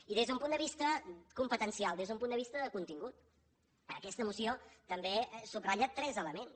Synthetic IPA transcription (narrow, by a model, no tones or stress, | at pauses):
iðezðəumpund̪əβist̪əkumpət̪ənsialˠd̪ezðump̬und̪əβist̪əðəkunt̪iŋɡut̪ | əkɛst̪əmusiot̪əmbesubraʎat̪ɾɛzələmens